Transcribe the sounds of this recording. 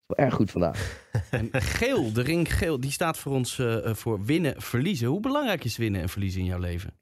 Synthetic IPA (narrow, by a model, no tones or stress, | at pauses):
sʋɛlˠʔɛɹχutfɑnda̰ːχɛnχeːlˠdərɪŋkχeːlˠdistaːtfʊːrɔnsv̥ʊːɹʋɪnəv̥əɹlizəɦubəlɑŋrɛjkɪsʋɪnəɛ̰nv̥əɹlizəɪnjɔwlejvə̰